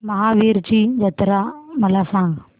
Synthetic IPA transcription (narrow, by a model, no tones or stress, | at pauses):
mɐɦaːʋiːɾt͡ʃid͡ʒɐt̪ɾaːmɐlasaːŋɡ